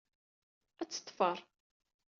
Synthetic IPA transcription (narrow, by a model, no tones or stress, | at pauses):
æt͡sːə̥t̪ˤːfəɾˤ